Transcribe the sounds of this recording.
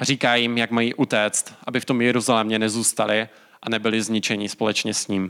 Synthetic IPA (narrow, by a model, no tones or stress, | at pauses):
riːkaːjɪmjakmajiːʔut̪ɛːt͡st̪ʔabɪft̪omjɛɾuzalɛmɲɛnɛzuːst̪alɪ | ʔanɛbɪlɪzɲɪt͡ʃɛɲɪspo̞lɛt͡ʃɲɛsɲiːm